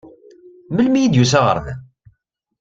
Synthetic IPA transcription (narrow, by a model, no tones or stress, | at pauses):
məlmijid̪jusæʁə̰ɾˤnæ̰